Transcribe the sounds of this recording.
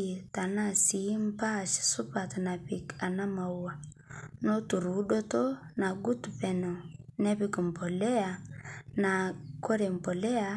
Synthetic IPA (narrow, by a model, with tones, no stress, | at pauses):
ta˨na˦si˨˦m˦pa˦ʃsu˦pa˨tna˨pi˨ka˨na˦ma˨wa˨ | no˦tu˨ɾu˨˦ɗo˦to˦na˨ɡu˦tpɛ˨no˨nɛ˦βi˦kɔ˨mpɔ˨lɛ˦a˨na˨ko˦ɾe˨m˨pɔ˨lɛ˦a˨